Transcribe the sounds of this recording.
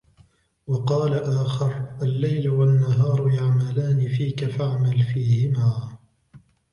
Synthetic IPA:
wɑqɑːlaʔaːxɪɾʔalːajlʊwanːaɦɑːɾˤjaʕmalaːnɪfiːkafaʕmalfiːhɪmaː

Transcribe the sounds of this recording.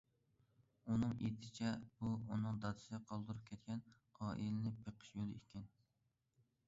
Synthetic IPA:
unɨŋḛt̪ʰɪ̥t͡ʃʰɛb̥uunɨŋd̪ɑd̪ɨ̥sqʰɑlˠd̪ɨɾup̚kʲʰɛt̪̚kʲɛn | ɑːʔilɪnɪpʰeqʰə̥ʃjolˠɨekʲʰɪn

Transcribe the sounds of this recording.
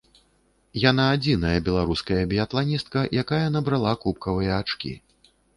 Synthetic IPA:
janaːd͡zʲinɐjɐbʲɛlˠaɾuskɐjɐbʲijat̪lˠanʲist̪̚kɐjʔakajɐnɐbɾalˠakup̚kɐvɨjɐːt͡ʂkʲḭ

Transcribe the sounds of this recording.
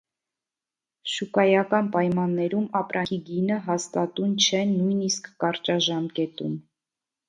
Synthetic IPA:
ʃukɑjɑkɑnpɑjmɑnːɛɾumɑpɾʔɑiɡinəɦɑst̪ɑt̪umt͡ʃʰɛnujniskːɑɾt͡ʃɑʒɑmkɛt̪um

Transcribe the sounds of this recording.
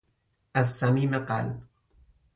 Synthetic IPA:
ʔasːamiːmeqa̰lb

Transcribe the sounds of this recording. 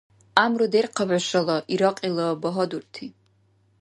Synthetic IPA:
amrudejrqʰavʷaʃalaʔiɾaqʼilabaɦodurtʰi

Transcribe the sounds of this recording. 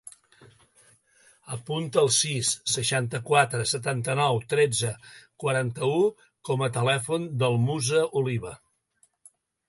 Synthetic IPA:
əpunt̪əːlˠsisːəʃant̪əkwat̪ɾəsət̪ant̪ənɔwt̪ɾɛd͡zəkwəɾant̪əu | kɔmət̪əlɛfund̪əlˠmuzəʔuliβə

